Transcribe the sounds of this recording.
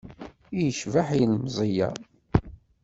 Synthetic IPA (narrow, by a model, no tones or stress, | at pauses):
ijəʃvaħilmzˤijæ̰